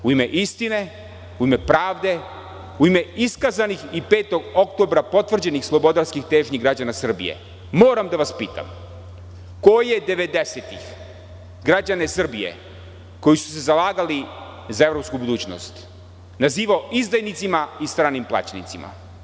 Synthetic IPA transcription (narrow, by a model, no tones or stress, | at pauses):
uime̞ʔist̪ine̞ | uime̞pɾaːʋd̪e̞ | uime̞iskazanixipe̞ːt̪o̞ɡo̞k̚t̪o̞bɾapo̞t̪vr̩d͡ʑenixslˠo̞bo̞d̪aɾskixt̪eːʒɲiɡɾad͡ʑanasr̩bḭje̞̰ | moːɾamd̪aʋaspiːt̪a̰m | ko̞jed̪e̞ʋe̞d̪eset̪ix | ɡɾad͡ʑanesr̩bijḛ | ko̞jisu̥se̞zalˠaːɡali | zae̞vɾo̞pskubud̪uːt͡ɕno̰st̪ | naziːʋaoʔizd̪ajnit̪simaist̪ɾaːnimplˠa̰ːt͡ɕanḭt̪simʔa̰